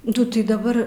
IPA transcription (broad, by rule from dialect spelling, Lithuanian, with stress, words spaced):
ˈdʊ ˈtɐɪ dɐˈbɐr